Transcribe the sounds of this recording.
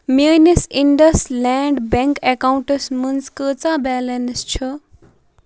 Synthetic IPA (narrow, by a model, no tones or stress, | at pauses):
mejnesiɳɖɐslɛɳɖbɛŋkekawɳʈəsmunskət͡sabɛlenst͡ʃʰu